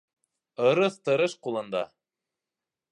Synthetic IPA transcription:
ɤ̆ɾɤθt̪ɤ̆ɾɤʃqulˠɤ̆nd̪ɑ̰

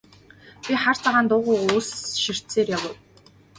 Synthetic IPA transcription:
pʲiχar̥t͡saʁaːnt̪ʊːʁʊːʊsʃir̥t̪seːrjawə̆w

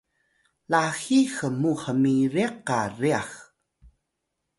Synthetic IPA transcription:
laxixəmuhəmiɾiaqariax

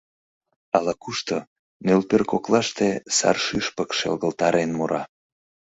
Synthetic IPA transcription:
ɑlɑkuʃt̪o | nølpørkoklɑʃt̪esɑ̰rʃyʃpəkʃḛlɣəlt̪ɑɾʔenmuɾɑ

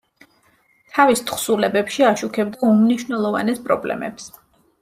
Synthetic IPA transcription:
t̪ʰavist̪ʰχsulɛbɛpʃiaʃukʰɛbd̪aumniʃwnɛlˠɔva̰nɛspʼɾɔ̰blɛ̰mɛ̰ps

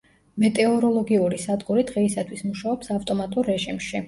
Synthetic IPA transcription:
mɛt̪ʼɛɔɾɔlˠɔɡiuɾisad̪ɡuɾid̪̥ʁɛisat̪ʰwismuʃaɔpsaft̪ʼɔmat̪ʼuɾːɛʒimʃi

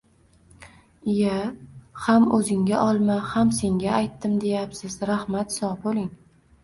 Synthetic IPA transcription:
jahamɵzɪŋɡʲaʔɒlˠmahamse̞ŋɡʲaajt̪ːɪmd̪e̞japsɪzɾahmat̪sɒbolɪŋ

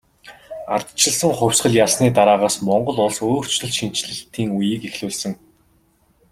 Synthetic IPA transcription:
art̪t͡ɕɪ̆ɮsə̆ŋχʊ̟wʲsɢə̆ɮjaɮsniːt̪aɾaːʁaːsmɔɴɢɞ̆ɮʊɮsoːr̥t͡ɕɮɵ̆ɮʃin̥t͡ɕɮɘ̆ɬt̪iːŋujĭːkexɮɘːɮsə̆ŋ

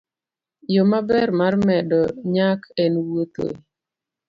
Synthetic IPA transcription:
jomabɛrmarmɛdɔɲakɛnwot̪o̰

